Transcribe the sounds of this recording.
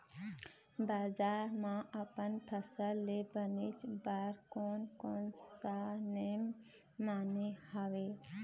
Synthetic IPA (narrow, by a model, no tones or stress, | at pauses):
baːzaːɾmãʔɐpənpʰəsəlːebənit͡ʃbaːɾkoːnkoːnsanemː | aːnehaːʋeː